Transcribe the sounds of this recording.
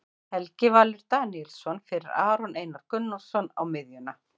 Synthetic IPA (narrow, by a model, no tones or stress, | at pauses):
ɛlcɪvaːlʏɾt̪aːniɛlsɔnfɪɾɪɾaːɾɔnʔeːjnaɾ̥kʏnːɔlsɔna̰wmɪðjʏna